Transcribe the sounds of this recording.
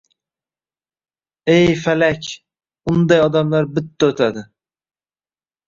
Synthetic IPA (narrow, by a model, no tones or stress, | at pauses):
ejfalakʲʰ | ʊnd̪ajɒd̪amlaɾbɪt̪ːaɵt̪ʰad̪ɪ